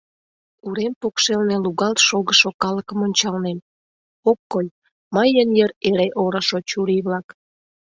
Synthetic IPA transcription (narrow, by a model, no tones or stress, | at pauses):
uɾempokʃelneluɣɑlt̪ʃoɣəʃokɑləkəmonʲt͡ɕɑlnem | okːoj | məjənjəɾeɾeʔoɾəʃot͡ɕuɾiβlɑk